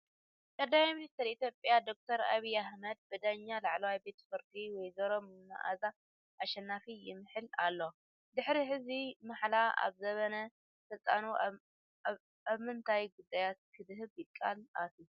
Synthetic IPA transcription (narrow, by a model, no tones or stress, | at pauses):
kʼɐd̪ːamaminist̪ʰɐɾit̪ʰjopʼːjad̪o̞k̚t̪ʰɐɾa̰βijahmɐd̪̚bɨd̪aɲːalaʕlɐwajbe̞t̪ʰɐ̥fɨɾkʼiwɔjzɐɾo̞mnːa̰ʔa̰za | ʔaʃɐnːafijɪmɨħɨlalːo | d̪ɨħɾiħɨzimaħlaa̰βzɐβɐnɐ | fɨt͡sʼa̰nu | aβmɨnt̪ʰajɡud̪ːajat̪̚kʰɨd̪ɨɦɨβjɪkʼːalat̪ʰu